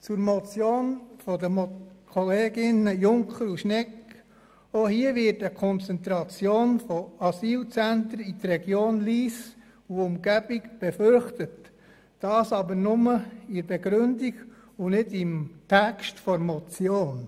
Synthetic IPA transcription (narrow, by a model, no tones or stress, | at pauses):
t͡suɾmɔt͡sjoːnfɔdəmkʰoleːɡɪnəjʊŋkχəɾuʃnɛk | ohiəʋɪtəkʰɔnt͡sɛnt̪ɾɑt͡sjoːnfɔɑsiːlt͡sænt̪ɾəit̪rɛɡ̥joːnliːs | uʊmɡ̥æb̥iɡb̥ɛfʏɾχtət | d̥ɑːsɑbəɾnʊməɪɾbeɡɾʏndiɡ | unɪdɪmtʰɛkstfɔɾmɔt͡sjoːn